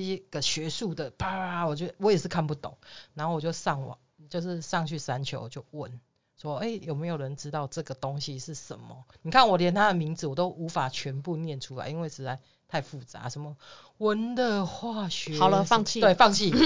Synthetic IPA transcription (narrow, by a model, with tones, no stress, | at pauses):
ɡ̥ə˨ɕɥɛ˧˥ʂu˥˩d̪ə˨pa˨˥a˨˩wɔ˨˩t͡ɕjo˥˩wɔ˧˦jɛ˨˩ʂɻ̩˥˧kʰa˥˧npu˥˩t̪o̰˨˩˦ŋna˨˧˥nho˥˩wɔ˨˩t͡ɕjo˥˧ʊsʂɑ˥˩ŋwɔ̰˨˩ | t͡ɕjo˥˧ʊʂɻ̩˥˧ʂɑ˥˧ŋt͡ɕʰy˥˩sa˦nt͡ɕʰjo˧˥ʊwt͡ɕjo˥˩ʊwə˦n | swɔ˦˥e˥˩ɪjo˨˩ʊme˧˥ɪjo˨˩ʊɻə˧˦nʈ͡ʂɻ̩˥˦t̪ɑ˥˧ʊʈ͡ʂɤ˥˨ɡə˩t̪o˦ŋɕi˨ʂɻ̩˥˩ʂə˨˩nmə˦ni˨˩kʰa˥˩nwɔ˨˩ljɛ˧˦nt̪ʰa˦d̪ə˨mi˧˥ŋd͡z̩˨wɔ˨˩t̪o˦˥ʊʔu˧˦˥fa˨˩t͡ɕʰɥɛ˧˥npu˥˧njɛ˥˨nʈ͡ʂʰu˦la̰˨˦ɪi˦nwe˥˩ɪʂɻ̩˧˥t͡sa˧˥ɪ | t̪ʰa˥˧ɪfu˥˩t͡sa̰˧˦ʂə˧˦nmə˨ | wə˦nd̪ə˨xwa˥˩ɕɥɛ˧˦ɑ˨ʊlə˦fɑ˥˧ŋt͡ɕʰi˥˨t̪we˥˩ɪfɑ˥˧ŋt͡ɕʰi˥˨˩